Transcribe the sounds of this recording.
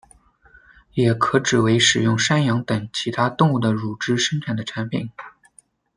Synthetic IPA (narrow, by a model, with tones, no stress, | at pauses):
jɛ˨˩kʰɤ˧˥ʈ͡ʂɻ̩˨˩we˧˥ɪʂɻ̩˨˩jʊ˥˩ŋʂa˥njɑ˧˥ŋt̪ə˨˩ŋt͡ɕʰi˧˥t̪ʰa˥t̪ʊ˥˧ŋu˥˩d̪ə˩ɻu˨˩ʈ͡ʂɻ̩˥ʂə˥ŋʈ͡ʂʰa˨˩nd̪ə˦ʈ͡ʂʰa˧˥npʰḭ˨˩˦n